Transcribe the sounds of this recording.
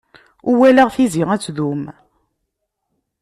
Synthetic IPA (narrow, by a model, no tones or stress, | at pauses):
uwælæʁθiziʁæt͡sːðum